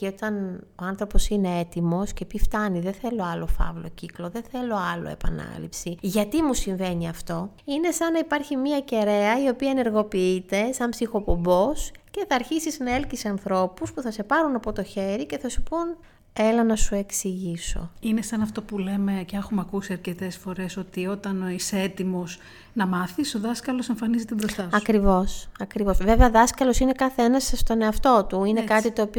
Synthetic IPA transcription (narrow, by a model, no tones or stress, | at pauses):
ot̪ɐno̞ɐnθɾo̞po̞sine̞et̪imo̞scepift̪ɐniðeθe̞lo̞ɐlo̞fɐ̰vlo̞̰ciklo̞ðe̞θe̞lo̞ɐlo̞̰e̞̰pɐ̰nɐ̰lḭpsiʝɐt̪imusiɱve̞niɐft̪o̞ | ine̞sɐnɐipɐɾçimiɐce̞ɾe̞ɐio̞piɐene̞ɾɣo̞piit̪e̞sɐmbsixo̞po̞mbo̞sce̞θɐːɾçisiznɐe̞lcisɐnθɾo̞puspuθɐse̞pɐɾunɐpo̞t̪o̞çe̞ɾice̞θɐsu̥pun | e̞lɐnɐsue̞ksiʝiso̞̰inesɐnɐft̪o̞pule̞me̞ceexumeɐkusiɐɾcet̪esfo̞ɾe̞so̞t̪io̞t̪ɐnoiseet̪imo̞s | nɐmɐθiso̞ðɐskɐlo̞se̞ɱfɐnizit̪ibɾost̪ɐsɐkɾivo̞sɐkɾivo̞sve̞veɐðɐskɐlo̞sine̞kɐθenɐsst̪o̞ne̞ɐft̪o̞t̪uine̞kɐt̪it̪o̞ːpi